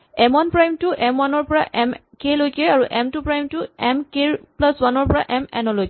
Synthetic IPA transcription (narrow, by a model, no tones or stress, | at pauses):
ɛmɔnpɹajmtuʔɛmwanɔɹpɔɹa̰ʔɛmkelojkɛaɹuʔɛmtupɹajmtuɛmkeɹplaswanɔɹpɔɹa̰ʔɛmɛ̰nɔlojk